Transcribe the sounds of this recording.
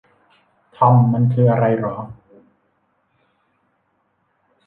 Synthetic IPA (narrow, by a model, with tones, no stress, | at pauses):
t̪ʰɔ˧mːa˧nkʰɯː˧˩ʔa˧ɾa˧jɾɔː˩˦ŋ